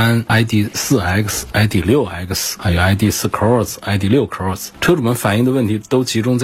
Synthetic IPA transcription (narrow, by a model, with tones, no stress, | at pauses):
a˥na˥ɪt̪̬i˥˩˧sɹ̩˥˩a˧˥ɪ˥ksa˧˥ɪt̪̬i˥˩ljo˥˩ʊa̰˧˥ɪ˥ksa˧˥jo˨˩ʊa˧˥ɪt̪i˥˧sɹ̩˥˩kʰə˥ɔ˥˧sa˧˥ɪt̪̬i˥˧ljo˥˩ʊkʰə˧˥ɔ˥˩sʈ͡ʂʰɤ˥ʈ͡ʂu˨˩mə˧˥nfa˨˩ni˥˧ŋd̪ə˧wə˥˩nt̪ʰi˧˥t̪o˥ʊt͡ɕʰi˧˥ʈ͡ʂʊ˥ŋt͡sa˥˩